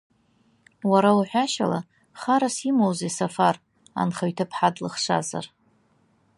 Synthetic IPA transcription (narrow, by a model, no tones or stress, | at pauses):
waɾawuħʷᶣaʃa̰la̰ | χaɾasimowzesafar | a̰nχaɥtʰapʰħadlɨχʂʷa̰za̰r